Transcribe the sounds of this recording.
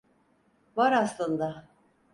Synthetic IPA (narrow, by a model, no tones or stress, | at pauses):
vaɾaslˠɯnd̪a